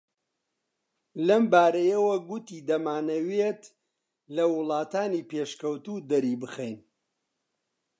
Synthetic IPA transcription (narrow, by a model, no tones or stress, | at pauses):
lɐmbaːɾɐjɐwɐɡut̪iːd̪ɐmaːnɐwet̪ | lɐwʊlˠɑːt̪aːniːpeːʃkɐwt̪uːd̪ɐɾiːbɨxejn